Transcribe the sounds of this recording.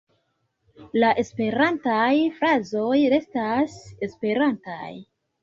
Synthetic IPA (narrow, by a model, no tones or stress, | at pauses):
laʔe̞spe̞ɾantajfɾazo̞jɾe̞stase̞spe̞ɾanta̰j